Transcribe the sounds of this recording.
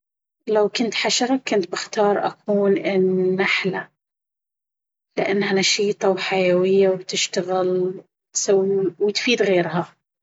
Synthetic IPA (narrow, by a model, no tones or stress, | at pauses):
lawkʊnt̪ħaʃɑɾˤɑkːʊnt̪̚bɪxt̪ɑːɾˤʔa̰kʰuːnʔɪnːaħla | lɪʔanːhanaʃiːt̪ˤɑwħajawɪjːawt̪ɪʃt̪aɣɪl | t̪sawwɪt̪fiːd̪ɣeːɾɦa